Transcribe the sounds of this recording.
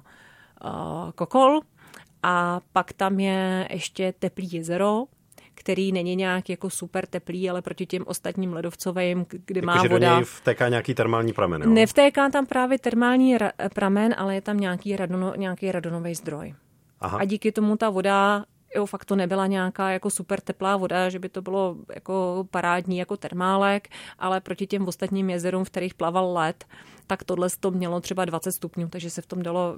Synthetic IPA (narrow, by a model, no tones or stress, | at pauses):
kokol | ʔapakt̪amjɛʔɛ̰ʃcɛt̪ɛpliːjɛzɛɾo̞ | kt̪ɛɾiːnɛɲɪɲaːkjako̞supɛɾt̪ɛpliːalɛpɾo̞cɪcɛmʔo̞st̪at̪ɲiːmlɛdo̞ft͡sovɛmɡ̥dɪmaːvoɲdɛajft̪ɛːkaːɲɛakiːt̪ɛɾmaːlɲiːpɾa̰mɛ̰nnɛft̪ɛːkaːt̪ampɾaːvjɛt̪ɛɾmaːlɲiːɾapɾʔamɛnʔa̰lɛjɛt̪amɲaːkiːɾadonoɲaːkejɾadonovɛjzd̪ɾo̞̰j | ʔa̰ɦaaɟiːkɪt̪omut̪avo̞da | jofakt̪onɛbɪlaɲɛakaːjako̞supɛɾt̪ɛplaːvo̞daʒɛbɪt̪o̞bɪlo̞ja̰kopaɾaːdɲiːjako̞t̪ɛɾmaːlɛkʔalɛpɾo̞cɪcɛmvost̪at̪ɲiːmjɛzɛɾumfkt̪ɛɾijxplavallɛt̪ːakt̪odlɛst̪omɲɛlo̞t̪r̥ɛbadvat͡sɛt̪st̪upɲuːt̪aɡʒɛsɛft̪o̞mdalo̞